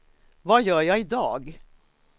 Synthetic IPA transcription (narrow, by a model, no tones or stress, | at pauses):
vɑjœːjɑːɪd̪ɑ̰ːɡ